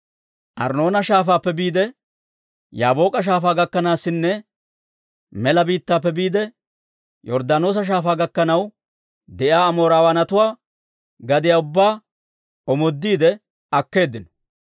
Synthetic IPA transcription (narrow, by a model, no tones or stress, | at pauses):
ʔɐ̰ɾno̞ːnɐʃaːfaːpːɛbiːd̪ɛ | jaːbo̞ːkʼɐʃ̬aːfaːɡɐkːɐnaːsːɪnːɛ | mɛlɐbiːt̪ːaːpːɛbiːd̪ɛ | jɔɾd̪ano̞ːs̬ɐʃ̬aːfaːɡɐkːɐnɐw | d̪ɛʔjaːmo̞ːɾaːwɐnɐt̪ʊwaː | ɡɐd̪ɪjaːʊbːaː | ɔmɔd̪ːiːd̪ɛ | ɐkːe̞ːd̪ːɪnɔ̥